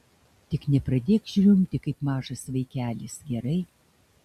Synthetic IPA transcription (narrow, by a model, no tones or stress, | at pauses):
t̪ʲɪknʲɛpɾɐd̪ʲeːkʒʲɾʲʊmʲt̪ʲɪkɐɪpmɑːʒɐsʋɐɪkʲæːlʲɪsɡʲɛɾɐɪ